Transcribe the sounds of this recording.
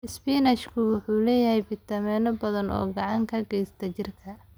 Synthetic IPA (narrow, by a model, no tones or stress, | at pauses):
ɪspiːnɐʃkʰʊwʊħuːlɛːjɐhɛjbɪt̪ʰɐmɛːnɔbɐðɐnɔ̰ːɡɑʕɑŋkʰɐɡɛjst̪ʰɐt͡ʃɪrkʰɐ